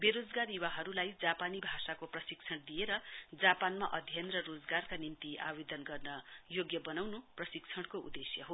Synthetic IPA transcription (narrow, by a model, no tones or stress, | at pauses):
beɾod͡zɡarjuwaɦʌɾulajd͡zapanibʱasakoprʌsikt͡sʰʌɽ̃d̪ijeɾʌd͡zapanmaʔʌd̪ʱjenrʌrod͡zɡarkanint̪ia̰bed̪ʌnɡʌrnʌjoɡjʌbʌnawnuprʌsikt͡sʰʌɽ̃koṵd̪esjʌɦo